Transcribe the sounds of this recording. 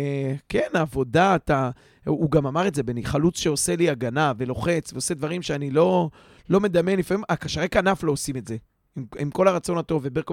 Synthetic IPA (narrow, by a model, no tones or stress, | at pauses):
ke̞naːvo̞daːt̪a | uɡamamaʁetze̞beniχalut͡sʃe̞o̞se̞liaɡanave̞lo̞χe̞t͡sveose̞d̪vaʁimʃeanilo̞ | lome̞d̪amje̞nlifamimakaʃaʁekanaflo̞ːsime̞tze̞ | mimko̞laʁat͡so̞nat̪o̞vebeko